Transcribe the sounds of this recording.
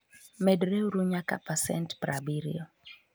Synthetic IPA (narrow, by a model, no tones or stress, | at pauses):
mɛdɾɛuɾuɲaka̰pasɛ̰ntpɾabiɾḭo